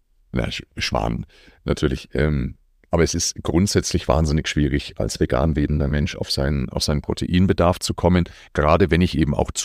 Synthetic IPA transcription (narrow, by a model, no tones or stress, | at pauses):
na̰ʃv̥a̰ːn | nʔa̰tʰyːɐlɪçʔɛːm | ʔaːbɐɛsɪstɡ̥ʁʊntz̥ɛt͡slɪçv̥a̰ːnzɪnɪçʃv̥iːʁɪçʔa̰lsv̥eɡa̰ːnveːbn̩dɐmɛnʃa̰ʊfz̥aɪnʔa̰ʊfz̥aɪnənpʁ̥otʰḛʔiːnbədaɐft͡sukʰɔmən | ɡ̥əʁaːdəvɛnɪçʔeːbm̩a̰ʊxt͡s